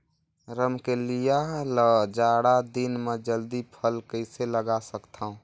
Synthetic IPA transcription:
ɾəmkelijaləd͡ʒaːɽad̪inmed͡ʒəld̪ipʰəlkəɪseləɡasəkt̪ʰaũ

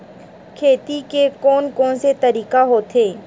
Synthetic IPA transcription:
kʰeːt̪ikekɔːnkɔːnset̪ɐɾiːkaɦoːt̪ʰeː

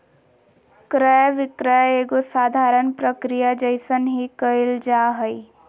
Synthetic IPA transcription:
kɾəjʋɪkɾəjeːɡosaːd̪ʱaːɾənpɾəkɾijad͡ʒəjsənɦikəɪld͡ʒaːɦəi

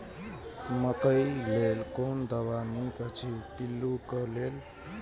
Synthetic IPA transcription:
mək̪əjlelkond̪əβanikət͡ʃʰipilːukəlel

